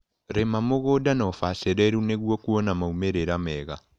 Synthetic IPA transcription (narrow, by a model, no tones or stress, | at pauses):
ɾemamoɣodanɔfaseɾɛɾuneɣwɔkuɔnamaumeɾeɾamɛːɣa